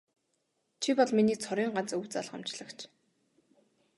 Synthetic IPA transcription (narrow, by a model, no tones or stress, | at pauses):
t͡ɕʰipɔɮminiːk̚t͡sʰɔɾiːŋɢant͡suwt͡sa̰ɮχɔ̰m̥t͡ɕɮə̆kt͡ɕʰ